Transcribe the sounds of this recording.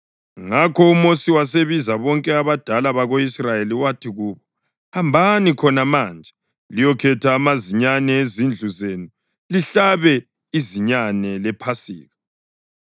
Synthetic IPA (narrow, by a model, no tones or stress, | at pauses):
ŋakʰɔumosiwas̬eβizaβɔŋkʼɛaβad̥ʱalaβaɣoisrajeliwatʰiɣuːβɔ | hambʱanikʰɔnamand͡ʒʱɛ | lijɔkʰɛtʰaːmaziɲanɛezind͡ɮʱuzenu | liɬaβɛ | iziɲanɛlɛpʰasḭːɣa